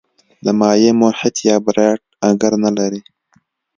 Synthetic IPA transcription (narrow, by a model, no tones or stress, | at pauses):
d̪əmɑːjemoħɪt̪jɑːbɾeʈ̚aŋɡəɾnalaɾi